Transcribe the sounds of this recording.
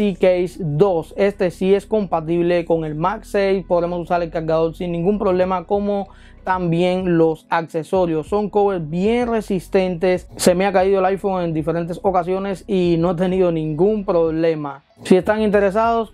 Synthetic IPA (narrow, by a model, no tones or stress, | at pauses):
sikejsd̪o̞se̞st̪e̞sie̞sko̞mpat̪iβle̞koŋe̞lmaksejspo̞ð̞ɾe̞mosusaɾelkaɾɣaðo̞ɾsinːĩŋɡumpɾo̞β̞le̞mako̞mo | t̪ambje̞ŋlo̞sakse̞so̞ɾjo̞sːo̞ŋkoβesbje̞ŋre̞sist̪ẽ̞nt̪e̞sse̞meakaiðoelajfoŋe̞nd̪ife̞ɾe̞nt̪̬e̞so̞kasjo̞ne̞sinoat̪e̞niðo̞nĩŋɡumpɾoβle̞ma | siest̪aŋint̪e̞ɾe̞s̬aðos